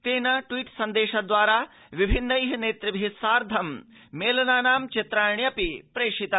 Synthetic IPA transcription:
t̪eːnɐʈʋiːʈsɐnd̪eːʃad̪ʋaːɾaː | ʋibʱinːɐiːɦɐneːt̪ɾɐbʱisaːɾd̪ʱɐm | meːlɐnaːnaːmt͡ʃit̪ɾaːɳjɐpipɾeːʂit̪a

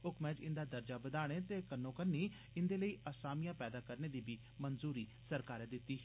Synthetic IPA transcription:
ʊkmɛ̃ːd͡ʒɪnd̪aːd̪əɾd͡ʒaːbəd̪aːɽ̃eːt̪eːkənːõːkənːiː | ɪnd̪eːləiːʔaːsaːmijãːpɛːd̪aːkəɾneːd̪iːbʱiː | mənzuːɾiːsəɾkaːɾɛːd̪ɪt̪ːiːɦ

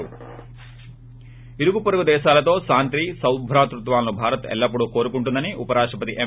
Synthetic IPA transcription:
u | iɾuɡupoɾuɡud̪ɛːʃaːlɐt̪o̞ːsaːnt̪ɾiːsɐwbʱɾaːt̪ɾut̪ʋaːlɐnubʱaːɾɐt̪ɛ̰lːɐpːuɽuːko̞ːɾukuɳʈund̪ɐniʔupɐɾaːʂʈɐpɐt̪iʔe

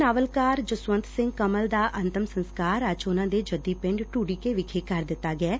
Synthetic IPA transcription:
naːʋəlkaːɾd͡ʒʊsʋə̃nt̪sɪ̃ŋɡkəməld̪aːʔənt̪əmsə̃nskaːɾəd͡ʒʊnãːd̪eːd͡ʒəd̪iːpɪ̃ɳɖʈuːɽiːkeːʋɪkʰeːkəɾd̪ɪt̪ːaːɡɪɛː

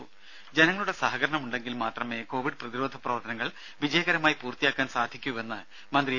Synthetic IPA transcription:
d͡ʑenɐŋːɐɭuɽe̞saːɦɐɡɐɾɐɳɐmuɳɖe̞ŋɡilmaːt̪rɐmeːko̞ːʋiɖɨprɐðiɾo̞ːd̪ʱɐprɐʋɐrt̪ɐnɐŋːɐɭ | ʋid͡ʑɐjɐɣɐɾɐmaːjipuːrt̪ijaːkːaːnsaːd̪ʱikʲːuʋe̞nːɨ | mɐnd̪ri

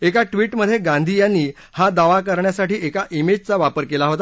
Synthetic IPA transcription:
ekaʈʋiːʈməd̪ʱːjeɡãnd̪ʱijanːiː | had̪aʋakəɾɳjasaʈiːʔekaʔimed͡ʑt͡saʋapəɾkelaɦot̪a

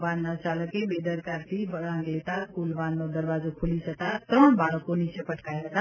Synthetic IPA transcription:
ʋanːat͡ʃaləkebed̪əɾkaɾt̪ʰibəɽãŋɡlet̪akulʋanːod̪əɾʋazokʰulisət̪at̪ɾəɳ̃baɭəkːonit͡ʃʰepəʈʰkajɦət̪a

